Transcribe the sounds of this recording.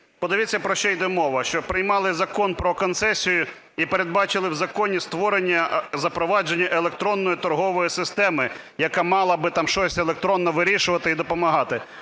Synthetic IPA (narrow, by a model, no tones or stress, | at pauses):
pɔd̪eʋʲit͡sʲːɐpɾɔʃt͡ʃɛjd̪ɛmɔʋɐʃt͡ʃɔpɾɪjmɑlˠɪzɐkɔnpɾɔkɔnt̪sɛsʲijʊ | ipeɾed̪̚bɑt͡ʃɪlˠɪwzɐkɔnʲist̪ʋɔɾenʲːɐzɐpɾɔʋɑd͡ʒenʲːɐʔelˠekt̪ɾɔnːɔjʊt̪ɔɾɦɔʋɔjisɪst̪ɛmɪ | jɐkɑmɑlˠɐbɪt̪ɑmʃɔsʲelˠek̚t̪ɾɔnːɔʋɪɾʲiʃʊʋɐt̪ɪid̪ɔpɔmɐɦɑt̪ɪ